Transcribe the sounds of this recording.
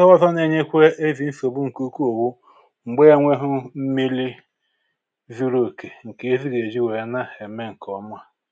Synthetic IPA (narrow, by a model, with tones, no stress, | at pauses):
ɔ˦ɔ˦zɔ˦ne˨ɲe˦kʷe˦e˦zi˨n̩˦so˨bu˦ŋ̩˨ku˦ko˨wu˦ | ŋ͡m̩˨ɡ͡be˦e˦ŋʷe˦ɦʊ˦m̩˦mi˦li˦ | zi˦ɾo˦˨ke˨ŋ̩˨ke˨e˦zi˦ɡe˨d͡ʒi˦we˨˦na˦he˨me˦ŋ̩˨kɔ˨m˦a˦